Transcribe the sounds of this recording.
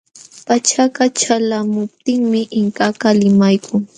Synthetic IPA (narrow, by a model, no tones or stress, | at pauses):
pat͡ʃakat͡ʃalamʊp̚t̪ɪŋmɪʔɪŋkakalɪmajkʰʊŋ